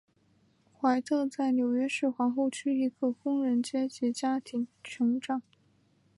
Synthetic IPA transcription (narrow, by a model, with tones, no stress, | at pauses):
xwa˧˥ɪt̪ʰɤ˥˧t͡sa˥˩ɪnjo˨˩ʊɥɛ˥ʂɻ̩˥˩xwɑ˧˥ŋxo˥˧ʊt͡ɕʰy˥i˧˥ɡə˥˧kʊ˥ŋɻə˧˥nt͡ɕjɛ˥t͡ɕɛ˧˥t͡ɕja˥t̪ʰi˧˥ŋt͡ɕʰɤ˧˥ŋʈ͡ʂɑ˨˩˦ŋ